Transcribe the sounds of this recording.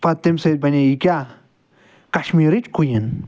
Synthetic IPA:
pɐt̪ːemsɐjd̪̚bɐnʲeikʲa | kɐʃmiːɾit͡ʃkʰujɐn

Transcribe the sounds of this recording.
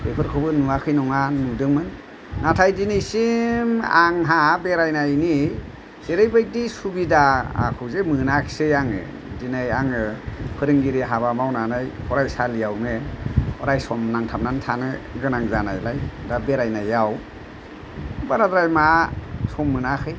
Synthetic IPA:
pʰepʰɯɾkʰɯbɯnuwakʰɯjnɔŋanudɯŋmɯnː | atʰajdinejsimaŋɦabeɾajnajni | seɾɯjbɯj̚disubidaa̰kʰɔwzemɯnakʰi̥sejaŋɯ̰ | dinajaŋɯpʰɯɾɯŋɡiɾiɦaβamawnanajhɔɾajsalijawmeɔɾajsɔmnaŋtʰamnantʰanɯɡɯnaŋzana̰jlajdabeɾajnajaw | baɾadɾajmasɔmːɯnakʰɯj

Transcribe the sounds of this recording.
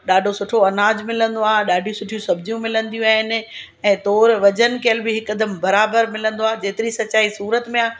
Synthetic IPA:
ɗaːɖʱosʊʈʰoɐnaːd͡ʑmɪlə̃nd̪oaːɗaːɖʱijũsʊʈʰijũsɐbd͡ʑijũmɪlə̃nd̪ijũaːɦɪnɪ̆ | ɛ̃ːt̪ɔːɾʋɐd͡ʑən̆keəlbɪɦɪkəd̪əmbɐɾaːbəɾmɪlə̃nd̪oaːd͡ʑeːt̪ɪɾisɐt͡ɕaːisuːɾət̪mẽaː

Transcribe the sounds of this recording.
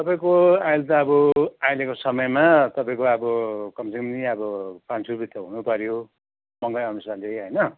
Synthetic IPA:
t̪ʌpaĩkoajlt̪ʌːbʌajlekosʌmʌjmat̪ʌpaĩkoʌbʌkʌmsiŋmniʌbʌpansʰuɾbit̪ːʌɦunupʌɾjo | mʌŋɡʌjʌnusalejɦʌjnʌ

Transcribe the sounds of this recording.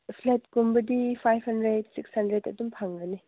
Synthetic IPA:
pʰlet̚kumbɐdipʰajbhɐndɾedsikshɐndɾedɐ̰dumpʰaŋɡɐni

